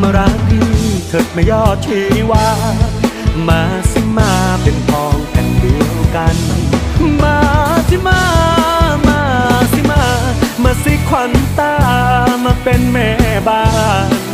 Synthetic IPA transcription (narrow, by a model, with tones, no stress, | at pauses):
maː˧ɾa˦˥k̚ni˧˩t̪ʰɤː˨˩t̪̚ma˧˩jɔː˥˩t͡ɕʰwiː˨˧˦waː˧˦˥ | maː˧˩si˧˥˩maː˧˩pe˧np̪ʰɔː˧ŋpʰɛ˨˩ndi˨˧əwka˧n | maː˧si˧˥maː˧˥ | maː˧˥si˧˥maː˧˩maː˧˩si˦˥kʰwa˧˦nt̪aː˧˩maː˧pe˧nmɛː˧˩baː˧˩˧